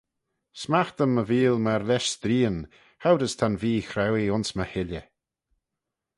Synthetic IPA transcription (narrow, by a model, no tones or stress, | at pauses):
smaxt̪əmːəviːlˠməɾlɛʃsd̪ɾiːən | hawɾəst̪ʰanviːxɾɛwiʊnsməhɪlə